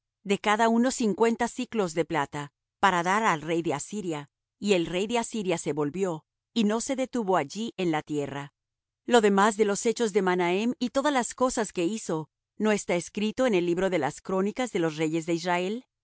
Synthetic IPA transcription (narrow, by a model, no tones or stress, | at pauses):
d̪e̞kaðauno̞siŋkwe̞nt̪asiklo̞zðe̞plat̪a | paɾaðaɾalre̞jðe̞asiɾja | ie̞lre̞jðe̞asiɾjase̞βo̞lbjo̞ | ino̞se̞ðe̞t̪uβo̞aʝiʔe̞nlat̪je̞ra | lo̞ðe̞mazðe̞lo̞se̞t͡ʃo̞zðe̞manaemit̪o̞ðazlasko̞saske̞iso̞ | no̞e̞st̪aeskɾit̪o̞ene̞lːiβɾo̞ðe̞laskɾo̞nikazðe̞lo̞sre̞ʝe̞zðe̞israe̞l